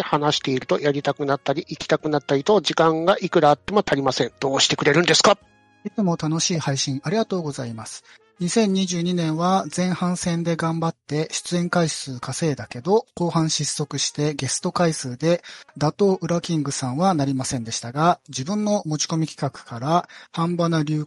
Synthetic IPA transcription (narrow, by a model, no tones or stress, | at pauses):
hanaɕi̥t̪e̞iɾɯ̟t̪o̞jaɾʲit̪akɯ̟nat̪ːaɾʲiʔikʲi̥t̪akɯ̟nat̪ːaɾʲit̪o̞ʑikãŋɡaʔikɯ̟ɾaːt̪ːe̞mo̞t̪ʰaɾʲimasẽ̞nd̪̥o̞ːɕi̥t̪e̞kɯ̟ɾe̞ɾɯ̟nd̪e̞sɨ̥ka | it͡sɨmo̞t̪ano̞ɕiːhaiɕĩɰaɾʲiɡat̪o̞ːɡo̞zaimasɨ̥ | ɲ̟isẽ̞ɲ̟iʑɨːɲ̟inẽ̞ɰ̃βad͡zẽ̞ɰ̃hãɰ̃sẽ̞nd̪e̞ɡãmbat̪ːe̞ɕɨ̥t͡sɨẽ̞ŋkaisɨːkase̞ːd̪ake̞d̪o̞ko̞ːhãɰ̃ɕisːo̞kɯ̟ɕi̥t̪e̞ɡe̞sɨ̥t̪o̞kaisɨːd̪e̞d̪at̪o̞ːʔɯ̟ɾakʲĩŋɡɯ̟sãɰ̃βanaɾʲimasẽnd̪e̞ɕi̥t̪aɡad͡ʑibɯ̟̃nːo̞mo̞t͡ɕi̥ko̞mʲikʲi̥kakɯ̟̥kaɾahãmbanaɾʲɯː